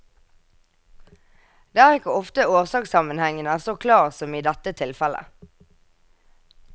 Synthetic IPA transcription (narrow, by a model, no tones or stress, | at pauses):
d̪eːæːʁɪkəɔft̪əoːʁsɑːksɑmənhɛŋənəæːʁsoːkʰlɑːʁsɔmiːd̪ɛt̪ət̪ʰɪlfɛlə̰